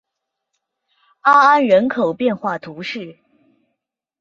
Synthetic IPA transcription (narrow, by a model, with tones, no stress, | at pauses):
a˥a˥nɻə˧˥nkʰo˨˩ʊpjɛ˥˧nxwa˥˩t̪ʰu˧˥ʂɻ̩˥˩